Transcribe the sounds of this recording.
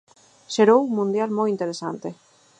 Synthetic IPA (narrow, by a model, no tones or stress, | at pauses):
ʃeɾowuŋmũnd̪jalmojint̪eɾesa̰nt̪e